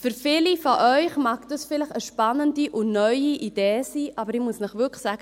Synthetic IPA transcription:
fʏɾfɪlifɔʔœʏχmɑːkd̥ɑsfɪləχəʃpɑnːəndiʔʊnœʏiʔid̥eːsiːʔɑbəɾɪmuəsnəχʋʏɾkχsæɡ̥ə

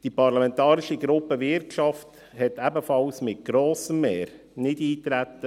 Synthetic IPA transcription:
d̥ipɑɾlɑmɛnt̪ɑːɾɪʃiɡɾʊpːəʋɪɾtʃɑft | hɛt̪æbəfɑlsmɪt̚ɡ̥ɾoːsəmːɛːɾ | nɪdiːt̪ɾæt̪ːə

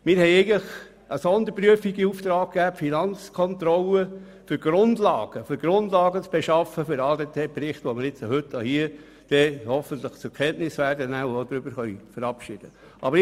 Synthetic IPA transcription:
mɪːɾhɛɪɛɪɡn̩ləχ | əsɔnd̪əɾpɾyəfiɡiuft̪ɾɑːk̚kːæːpfinɑnt͡skʰɔnt̪ɾɔlə | fʏɾɡ̥ɾʊnd̪lɑːɡ̥əfʏɾɡ̥ɾʊnd̪lɑːɡət͡sb̥eʃɑfəfʏɾɑːdeːtʰeːpɾɪχtʋoməɾɪt͡sohʏtːahiə | d̥ɛːhɔfənt̪ləχt͡sʊkʰɛnʔnɪsʋæːrdənæod̥̪ɾʏb̥əɾχœʏfəɾɑpʃɪd̥ə | ʔɑ̰bəɾ

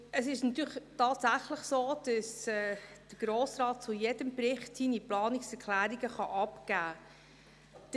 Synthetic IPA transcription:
əsɪʃnɑt̪yːɾχtɑːtsæχləχsoːd̥əsɛd̪̥əɡ̥ɾoːsɾɑːt̚t͡sujɛdəmpɾɪχtsiniplɑːnɪksɛɾkʰlæːɾiɡ̥əχɑʔɑpkæː | d̥

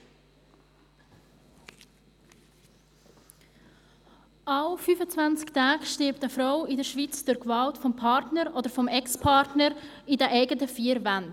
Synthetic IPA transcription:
aʊfyːfət͡svant͡sktʰaːɡʃtɪɾptəfɾaʊɪdəɾʃvit͡sd̥ʊɾkvɑltfɔmpʰɑɾtnəɾʔoːdəɾfɔmɛkspʰɑɾtnəɾ | idɛʔɛɪɡətəfiːəɾvand

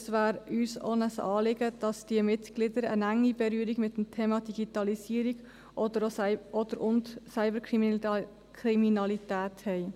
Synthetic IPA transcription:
sʋæːɾyːso̰nəsɑ̰ːlɪɡəd̥ɑsd̥iəmɪtɡ̥lɪdəɾə̰næŋːibɛɾyːɾiɡmɪtːm̩tʰeːmɑdiɡ̥itɑlisiːəɾiɡ | ʔɔdəɔd̥̪əɾʊntsaɪbəɾk | kɾiminɑlitæːthɛɪ

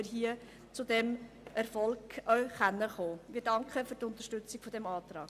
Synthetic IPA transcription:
ɪɾɦiə | t͡sʊdɛm | ʔɛɾfɔlkœɥχænːəχoːmiːɾdɑŋkχəfyːɾtʊnt̪əɾʃtʏt͡sikfod̪ɛmɑːtɾɑːk

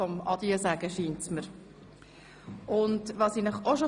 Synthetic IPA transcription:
ɔmɑd̪iəsæɡəʃiːntsməɾ | ʊndʋɑsinəχoʃo

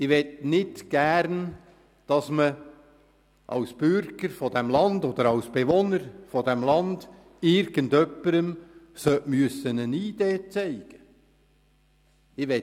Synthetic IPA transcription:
ɪʋɛtnɪtɡ̥æːɾn | d̥ɑsmə | ʔɑ̰wsb̥ʏɾɡəɾfɔd̥̪æmlɑnd̪ɔd̪əɾɑwsb̥eʋonəɾfɔd̪æmlɑnd̥ | ɪɾɡ̥əndœpːəɾəmsœʔmyəsənəniːd̥̪eːt͡sɛɪɡ̥ə | ɪʋɛ

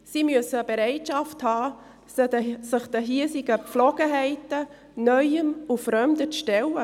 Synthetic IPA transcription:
simyəsəbeɾɛɪtʃɑfthɑː | səsɪχd̪̥əɦiəsɪɡəpp͡flɔɡ̥əɦɛɪtə | nœʏəmufɾœmdət͡sʃtɛlə

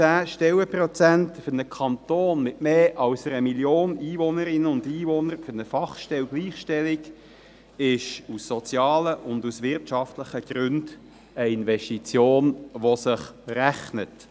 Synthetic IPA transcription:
t͡sæːʃtɛwəpɾɔt͡sæntfʏnəkʰɑnt̪oːnmɪtmeːʔɑlsəɾəmiljoːniːvɔnəɾɪnəʊndiːvɔnəɾføɾnəfɑχʃtɛwɡliːχʃtɛlɪɡ | ɪʃusːɔt͡sjɑːləʔʊndusʋɪrtʃɑft̪ləχəɡ̥ɾʏnd̥ | əɪnʋɛʃtit͡sjoːnʋɔsɪχræχnət

